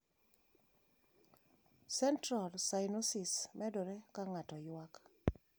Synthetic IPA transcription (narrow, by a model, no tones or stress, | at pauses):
sɛntɾalsajnosismɛdoɾekaŋatɔjwak